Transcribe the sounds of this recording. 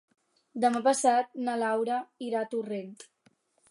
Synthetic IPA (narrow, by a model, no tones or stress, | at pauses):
d̪əmapəsat̪̚nalawɾəiɾat̪urent̪